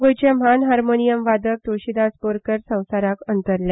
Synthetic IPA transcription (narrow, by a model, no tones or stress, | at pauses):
ɡojt͡ɕem̤anɦaɾmonijəmʋad̪ək̚t̪oɕid̪aspoɾkəɾsə̃w̃saɾakənt̪əɾlã